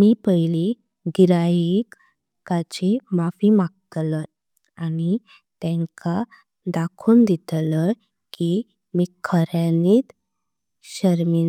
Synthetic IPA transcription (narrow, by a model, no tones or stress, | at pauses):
miːpəjli | ɡiɾajik | kat͡ɕemafiːmaɡ̚t̪lə | ani | t̪ɛ̃ŋka | d̪akʰuːnd̪it̪lə | ki | miːkʰəɾaniːt̪ | ɕəɾmin